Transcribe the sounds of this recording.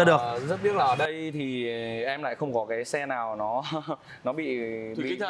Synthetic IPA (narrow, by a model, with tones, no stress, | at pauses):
ɗɨ˨˩əzə˦˥t̚ɓi˦˥t̚laː˨˩əː˨˩ɗə˧jt̪ʰi˨˩ʔɛ˧mla̰ː˧˨jxə˧wŋ͡mkɔ˨˦kaː˨˦jsɛ˧naː˨˩wnɔ˨˦ | nɔ˨˦ɓḭ˧˨ḭ˧˨